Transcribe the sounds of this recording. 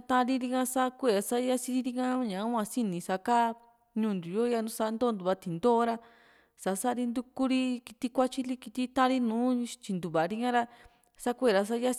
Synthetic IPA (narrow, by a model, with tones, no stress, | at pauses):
t̪ã˧ɾi˦ɾi˧ŋã˧sa˦kʷe˦˨ɾa˧sa˦ja˦si˧ɾi˦˧ɾi˧ŋã˦ɲã˨˦ã˧si˦nĩ˨˧sa˧ka˦ | ɲũː˧˨nd̪u˨jo˦ja˧nũ˦sa˧nd̪oː˦˧nd̪u˨βa˧t̪i˨nd̪o˦ɾa˦ | sa˧˨˦sa˦˧ɾi˧nd̪u˧ku˦ɾi˦ki˧t̪i˦kʷa˦t͡ʃi˦li˦ki˧t̪i˦t̪ã˦ɾi˦nũː˨˦t͡ʃi˧nd̪u˨βa˨˧ɾi˧ŋã˦ɾa˧ | sa˦kʷe˦˧˨ɾa˧s̬a˦ja˦˧